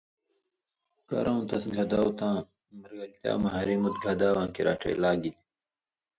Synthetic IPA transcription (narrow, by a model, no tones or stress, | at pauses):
kɐ̰ɾʔõːt̪ɐsɡʱɐd̪aːwt̪ãː | mɐɾɡɐlt̪ja̰ːmɐɦɐɾimut̪̚ɡʱɐd̪aːwãːkiɾaːʈḛːlaːɡili